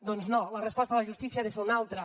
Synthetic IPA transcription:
d̪onznolərəspɔst̪alaʒust̪isiaðesunalˠt̪ɾə

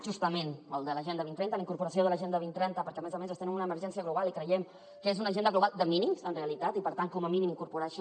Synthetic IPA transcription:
ʒust̪əmenəlˠd̪ələʒɛnd̪əβint̪ɾɛnt̪ələiŋkuɾpuɾəsioðələʒend̪əβint̪ɾɛnt̪əpəɾkɛəmezəmezəst̪enĩmunəːməɾʒɛnsiəɣluβalˠikɾəjɛm | kəezunəʒend̪əɣluβalˠd̪əminimsənreəlit̪at̪ipəɾt̪aŋkɔməminimiŋkuɾpuɾaʃ

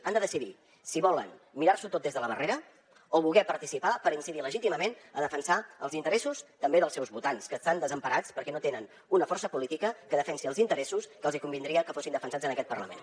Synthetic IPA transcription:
and̪əðəsiði | siβɔlə̰nmiɾarsut̪ot̪̚ezðələβəreɾə | oβulˠɣɛpəɾt̪isipapəɾinsiðiləʒit̪iməmenəðəfənsaə̰lˠzint̪əɾɛsust̪əmbeðəlˠsɛwzβut̪anskəːst̪and̪əzəmpəɾat͡spəɾkɛnot̪enən | unəfɔrsəpulit̪ikəkəðəfɛnsiəlˠzint̪əɾɛsuskəːlˠzikumbind̪ɾiəkəfosind̪əfənsad͡zənəkɛt̪̚pərləmḛn

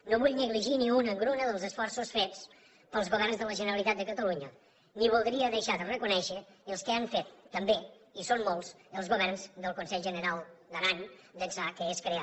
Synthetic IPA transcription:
noβuʎnəɣliʒiniunəŋɡɾunəðəlˠzəsfɔrsusfet͡s | pəlˠzɣuβɛrnzðələʒənəɾəlˠit̪at̪̚d̪əkət̪əluɲə | niβulˠd̪ɾiəðəʃaðərəkunɛʃə | əlˠskəaɱfet̪ːəmbe | isommolˠz | əlˠzɣuβɛrnzd̪əlˠkunsɛʎʒənəɾalˠd̪əɾaɲd̪əzakəeskɾea

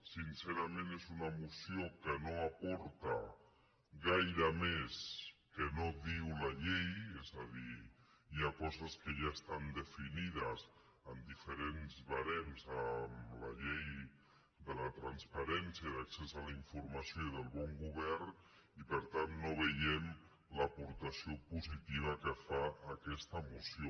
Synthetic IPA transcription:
sinseɾamẽnezunamusjokənoapɔɾt̪a | ɣajɾameskənoðiwlaʎejezaði | jakɔzaskəʒaest̪and̪əfiniðas | əmd̪ifəɾenzβaɾɛmzəmlɐ̰ʎej | d̪ələt̪ɾanspaɾɛnsjaiðaksezalaiɱfuɾmasjoiðəlˠβɔŋɡuβɛrn | ipəɾt̪anːoβəʎɛm | ləpuɾt̪asiopuzit̪iβ̞əkəfaːkɛst̪əmusjo

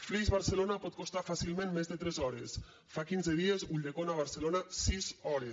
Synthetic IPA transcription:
fɾizβaɾselonapɔt̪̚kost̪afasilˠmẽnmezðet̪ɾɛzɔɾes | fakinzeð̞iezuʎd̪ekonaβ̞aɾselonasizɔɾe

